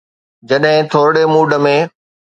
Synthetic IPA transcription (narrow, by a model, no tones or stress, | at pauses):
d͡ʑɐɗɦɪ̃t̪ʰoːɾɽemuːɖəmẽ